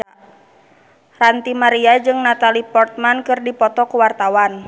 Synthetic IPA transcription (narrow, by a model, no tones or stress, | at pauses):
rant̪imaɾiad͡ʒɨŋnat̪alipɔrt̪̚mankɨrdipɔt̪ɔkuwart̪awan